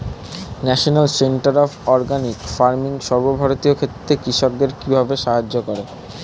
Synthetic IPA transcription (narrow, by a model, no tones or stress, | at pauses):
nɛʃonalseɳʈaɾɔbɔɾɡanikfaɾmiŋʃɔɾbobʱaɾot̪iokʰet̪ːɾekɾiʃok̚d̪eɾkibʱabeʃaɦad͡ʑːokoɾe